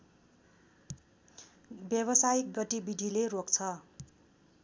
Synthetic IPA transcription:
bjʌβʌsajik̚ɡʌʈibid̪ʱileɾokt͡sʰʌ

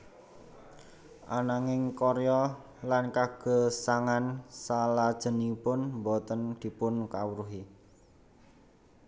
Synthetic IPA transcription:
ʔanaŋɪŋkɔɾjɔ | lankaɡ̥ə̤saŋansalad̥ʒ̥ə̤nipʊnmbɔt̪ənd̪̥i̤pʊnkawɾuɦi

